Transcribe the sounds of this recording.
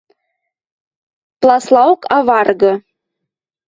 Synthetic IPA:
plˠɑslˠɑokʰɑβɑrɣɤ̆

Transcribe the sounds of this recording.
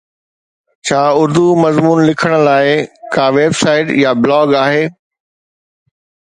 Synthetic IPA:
t͡ɕʰaːʊɾd̪umɐzmuːnlɪkʰəɽ̃̆laːɪkaːʋeːbsaːɪʈjablɔːɡaːɦeː

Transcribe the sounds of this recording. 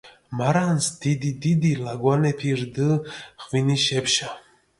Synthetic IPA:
maɾansd̪̥id̪id̪id̪ilaɡwanɛpʰiɾd̪əχviniʃɛpʃa

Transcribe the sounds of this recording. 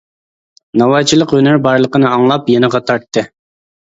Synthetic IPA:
nɑwɑt͡ʃʰilˠəqønɪɾbɑɾlˠəqənɨɑŋlˠɑpjenɨʁɑt̪ʰɑɾt̪ːɨ

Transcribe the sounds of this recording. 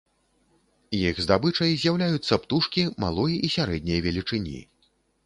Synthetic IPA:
jixzd̪abɨt͡ʂɐjzʲjawlʲajut̪sːɐpt̪uʂkʲima̰lˠɔjʔisʲaɾɛd̪̚ʲnʲɐjɐvʲɛlʲit͡ʂɨnʲḭ

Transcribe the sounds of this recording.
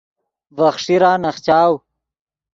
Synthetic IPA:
vɐχʂiɾaːnɐχt͡ɕaːw

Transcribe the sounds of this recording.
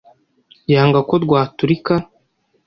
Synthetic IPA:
jaːŋɡako̞dɡwaːtuɾika

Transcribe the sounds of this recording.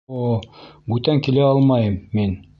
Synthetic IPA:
obʉt̪æŋkilæɑlˠmɑjɤmːin

